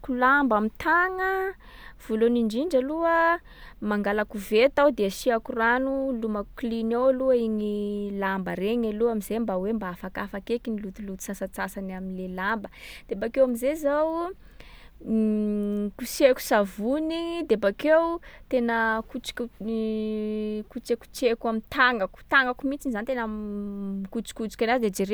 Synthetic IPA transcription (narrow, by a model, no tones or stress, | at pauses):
kulambamit̪ʰaŋə | v̥oloniɳɖ͡ʐiɳɖ͡ʐaluə | maŋɡalakuvet̪awd̪eəsiakuranulumaklinowluəiɲilambəɾeŋaluamizembawembaafakafakekinilut̪ilut̪u̥sasat͡sasanaminlelambəd̪̥ebakewamizezaw | kuseku̥savunid̪ebakewt̪enəkut͡si̥k | kut͡ʃeku̥t͡sekamit̪aŋaku̥t̪aŋɡakumit͡sinizanit̪en | ikut͡si̥kut͡si̥kʲanazid̪ed͡ʒeɾe